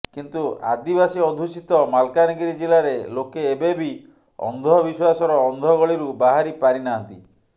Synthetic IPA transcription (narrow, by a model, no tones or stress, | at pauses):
kint̪ua̰d̪ibasiɔd̪ʱusit̪ɔmalkaniɡiɾid͡ʒelaɾelokeːbebi | ɔ̰nd̪ʱɔbiswasɔɾɔːnd̪ʱɔɡɔɭiɾubaɦaɾipaɾinaɔnt̪i